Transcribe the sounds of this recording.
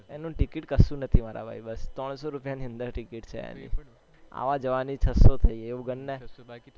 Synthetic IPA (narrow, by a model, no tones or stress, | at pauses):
enũʈikiʈkəsũnət̪ʰimaɾa̰bʱa̰ibəst̪ɾəɳ̃soɾupjaniə̃nd̪əɾʈikiʈt͡ʃʰḛḛnḭ̃ | a̰ʋad͡ʒəʋanit͡ʃʰəsot̪ʰəieũɡənːe